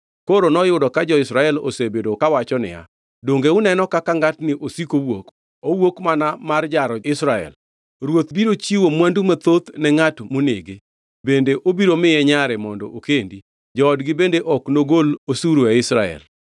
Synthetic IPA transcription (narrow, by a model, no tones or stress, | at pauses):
koɾonɔjʊdɔkad͡ʒɔɪsɾaɛlo̰sebedokawat͡ʃɔnɪ̰ja̰ | doŋɡeʊnɛnɔkakaŋɡatnɪʔosikowok | owokmanamard͡ʒaɾɔɪsɾaɛ̰l | ɾwot̪biɾot͡ʃiwomwandumat̪ot̪nɛŋatmoneɡe | bendeʔobiɾomɪjɛɲaɾɛmɔndɔʔokendi | d͡ʒɔːdɡɪbendeʔɔknoɡolosuɾuaɪsɾaɛ̰l